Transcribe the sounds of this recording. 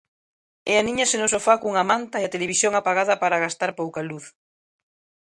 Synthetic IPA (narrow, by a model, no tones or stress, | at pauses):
eanĩɲɐsenʊsofakuŋamant̪aeat̪eleβisjoŋapaɣaðɐpaɾaɣast̪aɾpowkaluθ